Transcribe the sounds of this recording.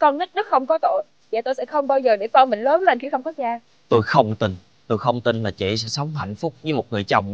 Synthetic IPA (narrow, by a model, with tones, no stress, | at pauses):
kɔ˧nli˦˥k̚nɔ˨˦xə˧wŋ͡mkɔ˨˦t̪o̰˧˨j | va̰ː˧˨˩t̪o˧jsɛ̰˧˥xə˧wŋ͡mɓaː˧wzəː˨˩ɗe˧˩kɔ˧nmï˧˨ŋ̟ləː˨˦nlaː˨˩nkḭ˧˥˦xə˧wŋ͡mkɔ˨˦zaː˧ | t̪o˧jxə˧wŋ͡mt̪i˧n | t̪o˧jxə˧wŋ͡mt̪i˧nlaː˨˩t͡ɕḛ˧˩sɛ̰˧˥sə˨˦wŋ͡mɦa̰˧˨jŋ̟fʊ˦˥k͡p̚ɲɨ˨˦mo˨˩t̚ŋɨ˨˩əjt͡ɕə̰˨˩wŋ͡m